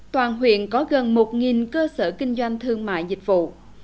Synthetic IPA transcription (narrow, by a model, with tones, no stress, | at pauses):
t̪waː˨˩nɦwḭ˧˨ənkɔ˨˦ɣə˨˩nmo˨˩t̚ŋi˨˩nkəː˧səː˧˩kï˧ŋ̟zwa˧jŋ̟t̪ʰɨ˧əŋma̰ː˧˨jzï˨˩k̟̚vṵ˧˨